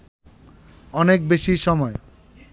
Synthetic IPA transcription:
ɔnek̚beʃiʃɔmɔe

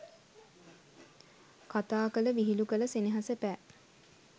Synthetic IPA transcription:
kat̪aːkələʋiɦilukələsiniɦasəpæː

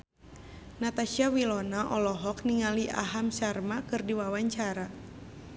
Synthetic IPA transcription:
nat̪aʃiawilɔnaʔɔlɔɦɔkniŋaliʔa̰ɦamsarmakɨrdiwawaɲt͡ʃaɾa

